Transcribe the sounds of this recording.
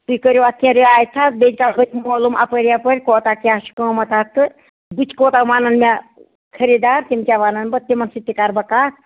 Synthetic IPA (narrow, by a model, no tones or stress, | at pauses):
t̪ukəɾoɐt̪jãɾiaːjt̪ʰːat̪̚bed͡ʒʲkaɦət͡ʃʲmoːlumʔɐ̰pəɾijapəɾʲkoːt̪akijasʰi̥kə̃ːmɐt̪at̪ɨ | bɨt͡ʃʰkoːt̪aʋaːnɐnme | kʰɐɾid̪aːɾt̪imt͡ʃʲaʋaːnɐnbɐt̪imɐnsit̪ːikaːɾbɐkaːt̪̚